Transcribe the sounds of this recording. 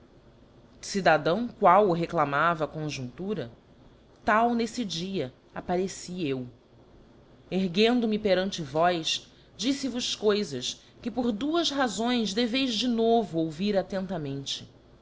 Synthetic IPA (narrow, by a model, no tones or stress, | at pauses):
sid̪ad̪ɐ̃w̃kwawʊɦeklamavɐːkõʒũnt̪uɾɐ | t̪awnesɪd͡ʒiɐ | apaɾesiew | eɦɡẽnd̪ʊmɪpeɾɐ̃nt͡ʃɪvɔjs | d͡ʒisɪvʊʃkojzɐs | kɪpoɾd̪uɐʃɦazõj̃zd̪evejzd͡ʒɪnovʊowviɾat̪ẽnt̪ɐmẽnt͡ʃɪ̥